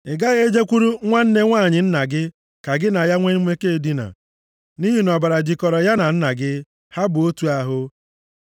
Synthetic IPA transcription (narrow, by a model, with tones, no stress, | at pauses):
ɪ˨ɡa˦ɣe˦d͡ʒe˦kʷu˦ɾu˦ŋʷa˦n̩˦ne˦ŋʷaː˦˨ɲɪ˨n̩˦na˨ɡɪ˦ | ka˨ɡɪ˦na˨ja˦ŋʷe˦n̩˦me˦ke˦˨di˦na̰˨ | ni˦ɦi˦n˨ɔ˨ba˨ɾa˨d͡ʒi˨kɔ˨ɾɔ˨ja˦na˨n̩˦na˨ɡɪ˦ | ha˦bʊ˨o˦tu˨a˦ɦʊ˦